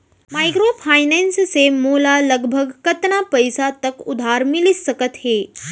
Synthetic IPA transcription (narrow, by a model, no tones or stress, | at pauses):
majkɾopʰaːjnɛnssemoːlaləɡbʱəɡkət̪napəjsat̪əkʊd̪ʱaɾmilissəkət̪ɦeː